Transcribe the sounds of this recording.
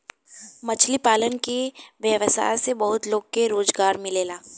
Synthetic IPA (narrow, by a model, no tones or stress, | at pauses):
mɐt͡ʃʰlipaːlənkeʋjəʋəsa̰ːjsebɐɦʊt̪loːɡ̚keɾoːzɡaːɾmɪleːlaː